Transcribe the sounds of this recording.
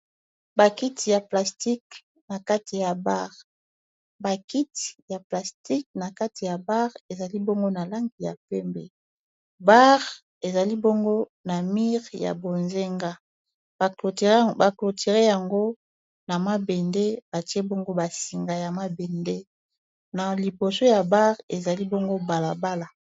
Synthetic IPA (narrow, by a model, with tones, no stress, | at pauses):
ba˨ki˦ti˨ja˨pla˨sti˦k | na˨ka˦ti˨ja˨ba˦ʁ | ba˨ki˦ti̥˨ja˨pla˨sti˦k̚na˨ka˦ti˨ja˨ba˦ʁe˨za˨li˦bo˦ŋɡo˦na˨la˦ŋɡi˨ja̰˨pɛ˦mbɛ˨ | ba˦ʁ | e˨za˨li˦bo˦ŋɡo˦ | na˨mi˦ʁja̰˨bo˨nze˦ŋɡa˦˨ | ba˨klo˨tʰi˨ʁe˦ja˨ŋɡo˦ | na˨ma˦be˨nde˦ba˨ti˦e˦bo˦ŋɡo˦ba˨si˨ŋɡa˨ja˨ma˦bɛ˨nde˦ | na˨li˨bo˨so˦ja˨ba˦ʁe˨za˨li˦bo˦ŋɡo˦ba˨la˨ba˦la˨